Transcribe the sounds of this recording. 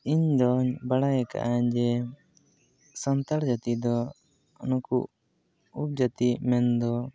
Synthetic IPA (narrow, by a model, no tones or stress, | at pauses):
iɲdɔɲbaɽajɛka̰ʔaɲd͡ʒɛ | sant̪aɽd͡ʒat̪id̪ɔ | nukṵʔ | up̚d͡ʒat̪imɛnd̪ɔ